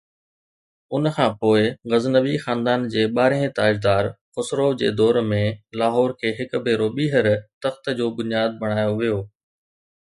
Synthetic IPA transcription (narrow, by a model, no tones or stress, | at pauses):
ʊnkʰãːpoːɪɣɐznəʋixãːnd̪aːnd͡ʑeːɓaːɾẽt̪aːd͡ʑd̪aːɾxʊsɾoːʋd͡ʑḛːd̪ɔːɾmẽlaːɦɔːɾkʰeːɦɪkbʱeːɾoɓiːɦəɾt̪ɐxt̪d͡ʑoːbʊnijaːd̪̚bɐɽ̃aːjoʋijoː